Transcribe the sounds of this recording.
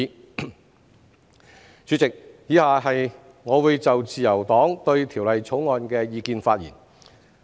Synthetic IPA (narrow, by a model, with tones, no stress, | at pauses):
t͡syː˨˥t͡sɪ˨k̚jiː˨˧˥haː˨˩ɦɐ˨j | ŋɔː˨˧wuː˨˧˥jt͡sɐ˨wt͡siː˨jɐ˨˩wt̪ɔː˨˥ŋt̪ɵ˧ɥt̪ʰiː˨˩wlɐ˨jt͡sʰo˨˥wŋɔː˨nkɛː˧jiː˧kiː˨˧nfaː˧t̚jḭː˨˩n